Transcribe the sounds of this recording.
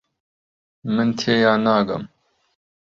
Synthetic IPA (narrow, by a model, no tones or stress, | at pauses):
mɨnt̪ʰeːjaːnaːɡɐ̰m